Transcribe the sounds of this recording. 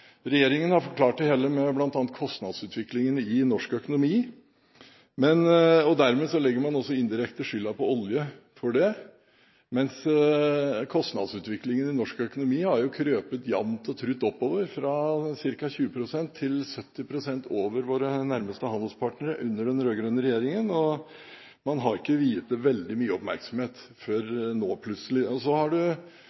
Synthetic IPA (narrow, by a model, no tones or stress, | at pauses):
ɾɛjeːɾɪŋənhɑɾfɔɾkʰlɑːʈːɪheːlːəmɛblɑnt̪ɑːnət̪̚kʰɔst̪nɑd̪sʉːt̪ʰʋɪklɪŋənɪnɔʂkœkʊnʊmiː | mɛnɔd̪æɾmeːsɔlɛɡːəɾmɑnɔsːɔɪnd̪ɪɾɛkt̪əʂʏlːɑpʰɔɔljəfɔɖɛ | mɛns | kʰɔst̪nɑ̰d̪sʉːt̪ʋɪklɪŋənɪnɔʂkœkʊnʊmiːhɑɾjʊkʰɾøːpət̪jɑmt̪ɔt̪ʰɾʉt̪ːɔpːoːʋəɾfɾɑsɪɾkɑçʉːəpʰɾʊsɛnt̪ʰːɪlsœt̪ːɪpʰɾʊsɛnt̪ʰoːʋəɾʋoːɾənæɾməst̪əhɑnd̪əlspʰɑʈnəɾəʔʉ̰nːəɖɛnɾøːɡɾœnəɾɛjeːɾɪŋənɔ | mɑnɦɑɾɪkːəʋiːət̪̚d̪ɛʋɛld̪ɪmyːəɔpmæ̰ɾksɔmheːt̪fɔɾnoːpʰlʉt̪səlɪɔsɔhɑɖʉ